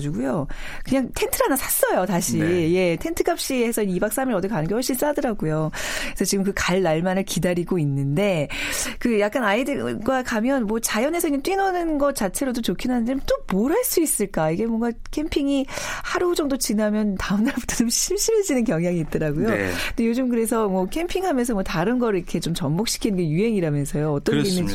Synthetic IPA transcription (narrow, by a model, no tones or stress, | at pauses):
d͡ʑiɡujokɯɲaŋtʰe̞ntʰɯɾanasʰas͈ʌjotaɕʰije̞tʰe̞ntʰɯkɡ͈ap̚ɕ͈iesʰʌinibaks͈ʰamiɾʌdɯikanɯnɡewʌɭɕ͈ins͈adʌɾaɡujokisʰʌt͡ɕiɡɯmkɯkaɭːaɭmanɯɭkidaɾiɡoinːɯnde̞kɯjak̚k͈anaidɯɡwakamjʌnmwʌt͡ɕajʌne̞sʰʌiɲːaŋt͈ɥinʌnɯnɡʌt̚t͡ɕ͈at͡ɕʰe̞ɾodot͡ɕokʰinɦanɯndeot͈omoɾaɭs͈uis͈ɯɭk͈aiɡe̞mwʌŋɡakʰe̞mpʰiŋihaɾud͡ʑʌŋdot͡ɕinamjʌntaɯmnaɾabu̥tʰʌt͡ɕomɕʰimɕ͈ʰimɯɭd͡ʑinɯnkjʌŋɦjaŋiːt̚t͈ʌɾaɡojot͈ejod͡ʑɯmkɯɾe̞sʰʌmwʌkʰe̞mpʰiŋɦamjʌnsʰʌmwʌtaɾɯnɡʌɾɯɭikʰe̞t͡ɕomt͡ɕʌmmok̚ɕ͈i̥kʰinɯnɡejuɦe̞ŋiɾamjʌnsʰʌjoʌt͈ʌnɡeinːɯ